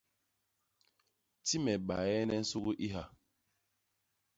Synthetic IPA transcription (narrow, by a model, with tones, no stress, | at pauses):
ti˦mɛ˨ɓa˨ɛ˦nɛ˦n̩˦su˦ɣu˦ʔi˦ɦa˨